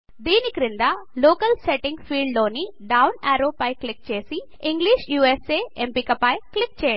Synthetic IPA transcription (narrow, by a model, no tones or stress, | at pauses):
d̪iːnikiɾind̪ɐloːkɐlseʈiŋɡpʰiːɖlo̞ːni | ɖɐwnaːɾoːpɐjklik̚t͡ʃe̞ːsi | iŋɡliʃjuːeseːempikɐpɐjklik̚t͡ʃɛːjɐ